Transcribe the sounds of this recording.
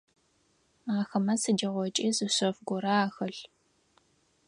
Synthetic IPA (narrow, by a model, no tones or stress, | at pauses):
aːxɐmɐsɨd͡ʒɐʁʷɔt͡ʃʼiːzɨɕofɡʷɔɾɐaːxɐɬ